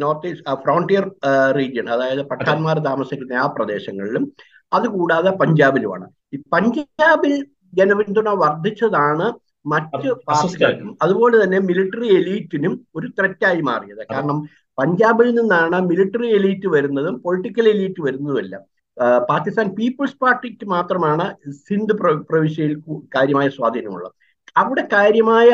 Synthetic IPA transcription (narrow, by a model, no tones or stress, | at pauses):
no̞ːrt̪ifrɐwɳʈijɐrriːd͡ʑjɐɳɐðaːjɐðɨpɐʈʰːaːnmaːrt̪aːmɐsikʲːunːɐaːprɐd̪e̞ːɕɐŋːɐɭilum | ɐðukuːɽaːðepɐɲd͡ʑaːbiluma̰ːɳɨ | ipɐɲd͡ʑaːbil | d͡ʑenɐʋint̪unɐʋɐrd̪ʱit͡ɕːɐðaːɳɨ | mɐtːɨpːaːkisumɐðubo̞ːlet̪ɐnːe̞miliʈːɐrieliːtːinumo̞ɾut̪rɐtːaːjima̰ːrijɐðɨkaːɾɐɳɐm | pɐɲd͡ʑaːbilninːaːɳɨmiliʈːɐrie̞liːtːɨʋɐɾunːɐðumpo̞ɭiʈːikʲːɐle̞liːtːɨʋɐɾunːɐðuɐlːɐ̰ | paːkːist̪aːnpiːpːɐɭspaːrʈːikʲːɨmaːt̪rɐmaːɳɨsind̪ɨpprɐʋiɕɐjilkɨkaːɾjɐmaːjɐswaːd̪ʱinɐ̰mṵɭːɐ̰ | ɐʋiɽe̞kaːɾjɐmaːjɐ